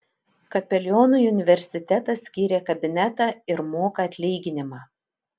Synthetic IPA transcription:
kɐpʲɛlʲɔːnuːjʊnʲɪʋʲɛɾʲsʲɪt̪ʲɛt̪ɐsʲkʲiːɾʲeːkɐbʲɪnʲæt̪ɑːɪɾmoːkɐɐt̪ʲlʲiːɡʲɪnʲɪmɑː

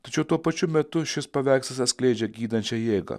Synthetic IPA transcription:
t̪ɐt͡ʃʲɛʊt̪uɔpɐt͡ʃʲʊmʲɛt̪ʊʃʲɪspɐʋʲɛɪkst̪ɐsɐt̪sʲklʲɛɪd͡ʒʲɛɡʲiːd̪ɐnʲt͡ʃʲɛjeːɡɐ̰

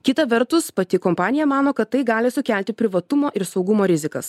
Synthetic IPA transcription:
kʲɪt̪ɐʋʲɛɾt̪ʊspɐt̪ʲɪkɔmpɑːnʲɪjɛmɑːnoːkɐt̪ːɐɪɡɑːlʲɪsʊkʲɛlʲt̪ʲɪpʲɾʲɪʋɐt̪ʊmoːʔɪɾsɒʊɡʊmoːɾʲɪzʲɪkɐ̰s

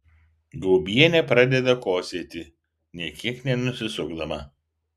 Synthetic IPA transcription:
ɡˠʊbʲiɛnʲɛpɾɑd̪ʲɛd̪ɐkoːsʲeːt̪ʲɪ | nʲiɛkʲiɛknʲɛnʊsʲɪsʊɡd̪ɐmɐ

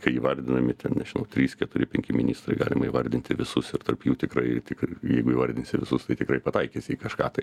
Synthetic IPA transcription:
kɐɪiːʋɐɾʲd̪ʲɪnɐmʲɪt̪ʲɛnnʲɛʒʲɪnɐʊt̪ʲɾʲiːskʲɛt̪ʊɾʲɪpʲɛŋʲkʲɪmʲɪnʲiːst̪rɐɪɡɑ̰ːlʲɪmɐiːʋɐrʲd̪ʲɪnʲt̪ʲɪʋʲɪsʊsɪrt̪ɐrpjuːt̪ʲɪkrɐɪt̪ʲɪkjɛɪɡʊiːʋɐɾʲd̪ʲɪnʲsʲɪʋʲɪsʊst̪ɐɪt̪ʲɪkɾɐɪpɐt̪ɐɪkʲesʲɪikɐʃkɑːt̪ɐɪ

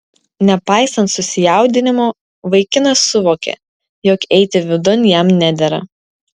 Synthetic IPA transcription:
nʲɛpɑˑɪsɐnt̪sʊsʲɪjæˑʊd̪ʲɪnʲɪmoː | ʋɐɪkʲɪnɐsːʊʋoːkʲḛ | jɔkɛɪt̪ʲɪʋʲɪd̪ʊnʲjɛmnʲæd̪ʲɛɾɐ̰

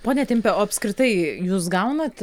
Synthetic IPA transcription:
poːnʲɛt̪ʲɪmʲpʲɛoːɐpʲskɾʲɪt̪ɐɪjuːsɡɐʊnɐt̪

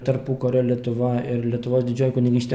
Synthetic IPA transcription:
t̪ɐɾpuːkoːɾʲɛːlʲiɛt̪ʊʋɐɪɾlʲɛt̪ʊʋoːsd̪ʲɪd͡ʒʲoːjʊkʊnʲɪŋɡʲiːsʲt̪ʲe

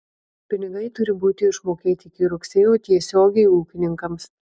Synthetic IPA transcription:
pʲɪnʲɪɡɐɪt̪ʊɾʲɪbuːt̪ʲɪɪʃmoːkʲeːt̪ʲɪɪkʲɪɾʊksʲeːjoːt̪ʲiɛsʲoːɡʲɛɪuːkʲɪnʲɪŋkɐms

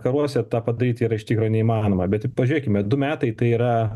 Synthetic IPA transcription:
kɐɾuɔsʲɛt̪ɑːpɐd̪ɐɾʲiːt̪ʲiːɾɐɪʃt̪ʲiːkɾoːnʲɛimɑːnoːmɐbʲɛt̪ɪpɐʒʲʊɾʲiːkʲɪmʲɛd̪ʊmʲæːt̪ɐɪt̪ɐɪiːɾɐ

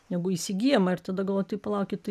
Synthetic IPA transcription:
nʲɛɡʊisʲɪɡʲiːjɛmɐɪɾt̪ɐd̪ɐɡɐlˠʋoːt̪ɐɪpɐlˠɐˑʊkʲɪtt̪ɐ

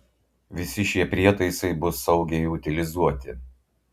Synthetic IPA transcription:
ʋʲɪsʲɪʃʲiɛpʲɾʲiɛt̪ɐɪsɐɪbʊsɐʊɡʲɛɪʊt̪ʲɪlʲɪzuɔt̪ʲɪ

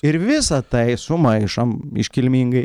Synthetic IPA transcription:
ɪɾʋʲɪsɐt̪ɐɪsʊmɐɪʃɐmɪ̰ʃʲkʲɪlʲmʲiːŋɡɐɪ

